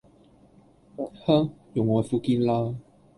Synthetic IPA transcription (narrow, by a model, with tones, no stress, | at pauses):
ha˥jʊ˨˩ŋwɔ˧˩fu˧ki˦nla˦